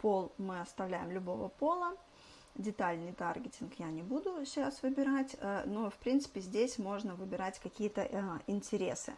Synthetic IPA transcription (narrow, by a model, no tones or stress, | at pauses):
po̞lˠmɨɐst̪ɐvlʲæjɪmlʲʊbo̞və̰po̞lˠə | dʲɪt̪alʲnɨjt̪a̰rɡʲɪtʲɪnkjanʲɪbud̪ʊsʲasvɨbʲɪɾatʲːnofpɾʲint̪sɨ̥pʲɪzʲdʲesʲmo̞ʐnəvɨbʲɪɾatʲkɐkʲijət̪əɪnʲtʲɪɾʲḛsɨ̰